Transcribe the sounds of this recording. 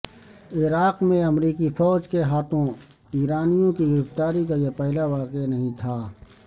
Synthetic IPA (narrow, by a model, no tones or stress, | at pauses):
ɪɾaːqmẽɐmɾiːkifɔːd͡ʒkeɦaːt̪ʰõ | iːɾaːnijõkiɡɪɾɪft̪aːɾikajepɛɦlaʋaːqenɐɦĩt̪ʰaː